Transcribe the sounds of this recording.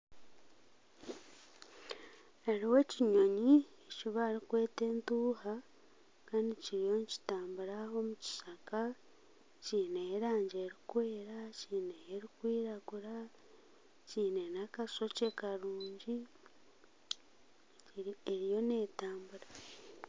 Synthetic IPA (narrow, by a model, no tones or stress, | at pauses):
aɾiwe̞ciɲo̞ɲieciβaːɾikwe̞ːte̞ːntuːha | kaːndiciɾijo̞nci̥taːmbuɾao̞muci̥saka | ciːneːɾaːɲɟeːɾikwe̞ːɾaciːneːɾikwiːɾaɡuɾa | ciːne̞nakaso̞cekaɾuːɲɟi | eɾijo̞ne̞ːtaːmbuɾa